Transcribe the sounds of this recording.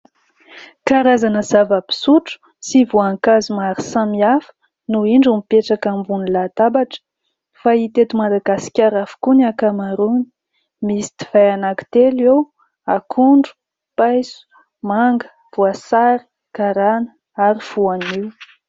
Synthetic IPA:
kaɾazanəzavəpi̥suʈ͡ʂu̥ | sivuaŋkazumaɾisamiafə̥ | nuiɳɖ͡ʐumipeʈ͡ʂakambunilat̪abaʈ͡ʂə̥ | fait̪et̪umad̪aɡasi̥kʲaɾafi̥kunakamaɾuni̥ | misi̥t̪i̥v̥ajanaki̥t̪elew | akʰuɳɖ͡ʐu̥ | pajsu̥ | maŋɡə̥ | v̥uasaɾi̥ | kaɾanə | aɾiv̥uaniw

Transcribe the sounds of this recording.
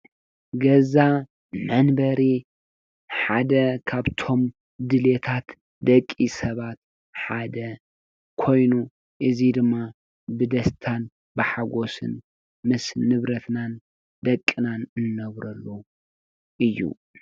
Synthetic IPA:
ɡɐza | mɐnbɐɾi | ħad̪ɐkʰaβt̪ʰo̞m | d̪ɨlet̪ʰat̪ | d̪ɐkʼːisɐβat̪ | ħad̪ɐ | kʰo̞jnu | ʔɨzid̪ɨmːa | bɨd̪ɐst̪ʰan | bɨħaɡo̞sɨ̰n | mɨsnɨβɾɐt̪nan | d̪ɐkʼːinanɨnːɐβɾɐlːo | ʔɨjːṵ

